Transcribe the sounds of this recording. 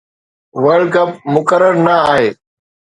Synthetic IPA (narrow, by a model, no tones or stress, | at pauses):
ʋəɾɖkəp̚mʊkəɾəɾnəaːɦeː